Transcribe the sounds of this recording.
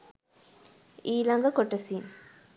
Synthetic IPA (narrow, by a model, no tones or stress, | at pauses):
iːlɐŋɡɐkɔʈːɐsiːn